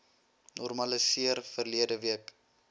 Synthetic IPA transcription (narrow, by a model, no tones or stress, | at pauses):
nɔrmɐlisiərfərliədəviək